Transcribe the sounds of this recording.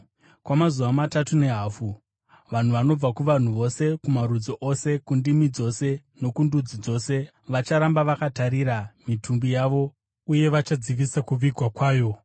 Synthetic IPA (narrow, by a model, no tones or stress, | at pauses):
kwamazuʋamatatune̞ɦaːfu | ʋan̤uʋano̞b͡vakuʋan̤uʋo̞se̞kumaɾud͡zoʔo̞se̞kundimid͡zo̞se̞ | no̞kundud͡zid͡zo̞se̞ | ʋat͡ʃaɾambaʋakataɾiɾamitʰumbijaːʋo̞ | uje̞ʋat͡ʃad͡ziʋisakuʋiɡʱwakwaːjo̞